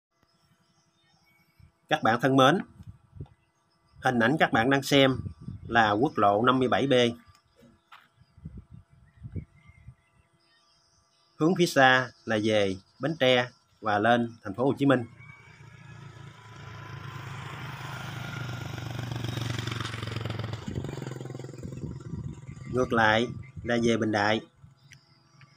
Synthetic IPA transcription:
kaː˦˥k̚ɓa̰ː˧˨nt̪ʰə˧nməː˨˦n | hï˨˩ŋ̟ʔa̰˧˩jŋ̟kaː˦˥k̚ɓa̰ː˧˨nɗaː˧ŋsɛ˧mlaː˨˩ku˦˥ək̚lo̰˧˨na˧mːɨ˧əjɓa˧˩jɓe˧ | hɨ˨˦əŋfi˨˦saː˧laː˨˩ze˨˩ | ɓe˨˦nt͡ɕɛ˧ | vaː˨˩le˧nt̪ʰɛ˨˩ŋ̟fo˦ho˨˩t͡ɕi˨˦mï˧ŋ̟ | ŋɨ˨˩ək̚la̰ː˧˨jlaː˨˩ze˨˩ɓi˨˩n̟ɗa̰ː˧˨j

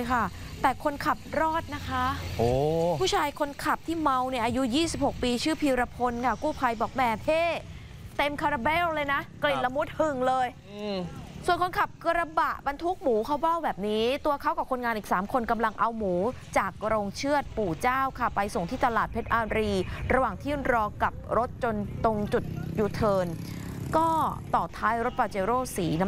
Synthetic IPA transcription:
jkʰa˥˩ | t̪ɛː˨˩kʰo˧nkʰa˨˩p̚ɾɔː˥˩t̪̚na˦˥kʰa˦˥ʔoː˧˩pʰuː˥˩t͡ɕʰaː˧jkʰo˧nkʰa˨˩p̚t̪ʰiː˥˩ma˧wni˥˩ɐʔaː˧ju˦˥jiː˥˩si˨˩p̚ho˨˩k̚piː˧t͡ɕʰɯː˥˩pʰiː˧wɾa˧pʰo˧nkʰa˥˩kuː˥˩pʰa˧jbɔː˨˩k̚mɛː˨˩pʰeː˥˩ | t̪e˧mkʰaː˧ɾa˧bɛː˥˩wlɤː˧jna˦˥kli˨˩t̪̚la˧mu˦˥t̪̚hɯ˨˩ŋlɤː˧j | su˨˩ənkʰo˧nkʰa˨˩p̚kɾa˧ba˨˩ʔba˧nt̪ʰu˦˥k̚muː˩˦kʰa˦˥wba˥˩wbɛː˨˩p̚niː˦˥t̪u˧ɐkʰa˦˥wkɔː˨˩kʰo˧nŋaː˧nʔiː˨˩k̚saː˩˦mkʰo˧nka˧mla˧ŋʔa˧wmuː˩˦t͡ɕaː˨˩k̚ɾoː˧ŋt͡ɕʰɯ˥˩ət̪̚puː˨˩t͡ɕaː˥˩wkʰa˧˥˩pa˧jso˨˩ŋt̪ʰiː˥˩t̪a˧laː˨˩t̪̚pʰe˦˥t̪ʔaː˧ɾiː˧ɾa˧waː˨˩ŋt̪ʰiː˥˩ɾɔː˧ka˨˩p̚ɾo˦˥t̪̚t͡ɕo˧nt̪o˧ŋt͡ɕu˨˩t̪̚juː˨˩t̪ʰɤː˧nkɔː˥˩t̪ɔː˨˩t̪ʰaː˦˥jɾo˦˥t̪̚paː˧t͡ɕeː˧ɾoː˥˩siː˩˦na˦

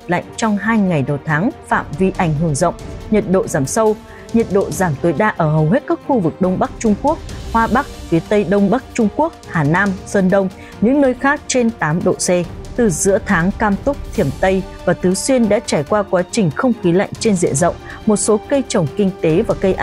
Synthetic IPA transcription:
la̰˧˨jŋ̟t͡ɕɔ˧wŋ͡mɦaː˧jŋa˨˩jɗə˨˩wt̪ʰaː˨˦ŋfa̰ː˧˨mvi˧ʔa˧˩jŋ̟ɦɨ˧˩əŋzə̰˧˨wŋ͡mɲə˨˩t̚ɗo̰˧˨zaː˧˩msə˧w | ɲə˨˩t̚ɗo̰˧˨zaː˧˩mt̪o˨˦jɗaː˧ʔəː˧˩ɦə˨˩wɦe˦˥t̚ka˦˥k̚xu˧vɨ˨˩k̚ɗə˧wŋ͡mɓa˦˥k̚t͡ɕʊ˧ŋ͡mku˦˥ək̚hwaː˧ɓa˦˥k̚fi˨˦ət̪ə˧jɗə˧wŋ͡mɓa˦˥k̚t͡ɕʊ˧ŋ͡mku˦˥ək̚haː˨˩naː˧msəː˧nɗə˧wŋ͡m | ɲɨ̰˧˥ŋnəː˧jxaː˦˥k̚t͡ɕe˧nt̪aː˨˦mɗo̰˧˨sɛ˧t̪ɨ˨˩zɨ̰˧˥ət̪ʰaː˨˦ŋkaː˧mt̪ʊ˦˥k͡p̚t̪ʰi˧˩əmt̪ə˧jvaː˨˩t̪ɨ˨˦swi˧ənɗa̰ː˧˥t͡ɕaː˧˩jkwaː˧kwaː˨˦t͡ɕï˨˩ŋ̟xə˧wŋ͡mxi˨˦la̰˧˨jŋ̟t͡ɕe˧nzḭ˧˨ənzə̰˧˨wŋ͡m | mo˨˩t̚so˨˦kə˧jt͡ɕə˨˩wŋ͡mkï˧ŋ̟t̪e˨˦vaː˨˩kə˧jʔa˧

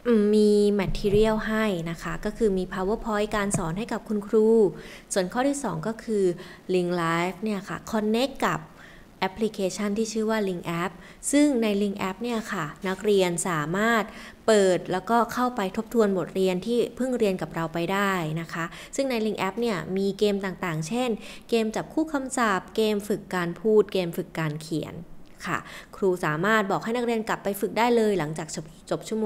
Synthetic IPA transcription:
ʔɯː˨˩miː˧mɛ˧˥t̪ʰiː˧ɾi˥˩əwɦa˥˩jna˦˥kʰa˦˥kɔː˥˩kʰɯː˧miː˧pʰaː˧wɯ˦˥pʰɔ˧˥jkaː˧nsɔː˩˦nɦa˥˩jka˨˩p̚kʰu˧nkʰɾuː˧˩su˨˩ənkʰɔː˥˩t̪ʰiː˥˩sɔ̰ː˩˦ŋkɔː˥˩kʰɯː˧ | li˧ŋlaː˦˥jfni˥˩ɐkʰa̰˥˩kʰɔ˧nːe˦˥kːa˨˩p̚ | ʔɛ˦˥pʰli˧˥kʰeː˧t͡ɕʰa˥˩nt̪ʰiː˥˩t͡ɕʰɯː˥˩waː˥˩li˧ŋʔɛ˦˥p̚ | sɯ˥˩ŋna˧jli˧ŋʔɛ˦˥p̚ni˥˩ɐkʰa˥˩na˦˥k̚ɾi˧ənsaː˩˦maː˥˩t̪̚ | pɤː˨˩t̪̚lɛː˦˥wkɔː˥˩kʰa˥˩wpa˧jt̪ʰo˦˥p̚t̪ʰu˧ənbo˨˩t̪̚ɾi˧ənt̪ʰiː˥˩pʰɯ˥˩ŋɾi˧ənka˨˩p̚ɾa˧wpa˧jdaː˥˩jna˦˥kʰa˦˥ʔ | sɯ˥˩ŋna˧jli˧ŋʔɛ˦˥p̚ni˥˩ɐmiː˧keː˧mt̪aː˨˩ŋt̪aː˨˩ŋt͡ɕʰe˥˩nkeː˧mt͡ɕa˨˩p̚kʰuː˥˩kʰa˧msa˨˩p̚keː˧mfɯ˨˩kːaː˧npʰuː˥˩t̪̚keː˧mfɯ˨˩kːaː˧nkʰi˨˩˦ənkʰa̰˥˩kʰɾuː˧saː˩˦maː˥˩t̪̚bɔː˨˩k̚ha˥˩jna˦˥k̚ɾi˧ənkla˨˩pːa˧jfɯ˨˩k̚daː˥˩jlɤː˧jla˩˦ŋt͡ɕaː˨˩k̚ | t͡ɕo˨˩p̚t͡ɕʰu˥˩moː˧

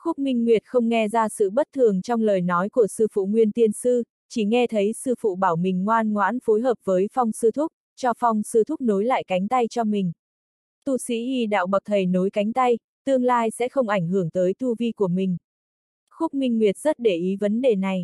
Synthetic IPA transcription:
xʊ˦˥k͡p̚mï˧ŋ̟ŋwi˨˩ət̚xə˧wŋ͡mŋɛ˧zaː˧sɨ̰˧˨ɓə˦˥t̚t̪ʰɨ˨˩əŋt͡ɕɔ˧wŋ͡mləː˨˩jnɔ˨˦jku˧˩əsɨ˧fṵ˧˨ŋwi˧ənt̪i˧ənsɨ˧ | t͡ɕi˧˩ŋɛ˧t̪ʰə˨˦jsɨ˧fṵ˧˨ɓaː˧˩wmï˨˩ŋ̟ŋwaː˧nŋwa̰ː˧˥nfo˨˦jɦəː˨˩p̚vəː˨˦jfɔ˧wŋ͡msɨ˧t̪ʰʊ˦˥k͡p̚ | t͡ɕɔ˧fɔ˧wŋ͡msɨ˧t̪ʰʊ˦˥k͡p̚no˨˦jla̰ː˧˨jka˨˦jŋ̟t̪a˧jt͡ɕɔ˧mï˨˩ŋ̟ | t̪u˧˩sḭ˧˥ʔi˧˩ɗa̰ː˧˨wɓə˨˩k̚t̪ʰə˨˩jno˨˦jka˨˦jŋ̟t̪a˧j | t̪ɨ˧əŋlaː˧jsɛ̰˧˥xə˧wŋ͡mʔa˧˩jŋ̟ɦɨ˧˩əŋt̪əː˨˦jt̪ʰu˧vi˧ku˧˩əmï˨˩ŋ̟ | xʊ˦˥k͡p̚mï˧ŋ̟ŋwi˨˩ət̚z̥ə˦˥t̚ɗe˧˩ʔi˨˦və˨˦nɗe˨˩na˨˩j

